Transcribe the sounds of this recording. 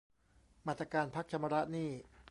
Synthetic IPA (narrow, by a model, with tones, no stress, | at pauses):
maː˥˩t̪ɾa˧kaː˧npʰa˦˥k̚t͡ɕ̪ʰa˧ma˧ɾa˦˥ʔniː˥˩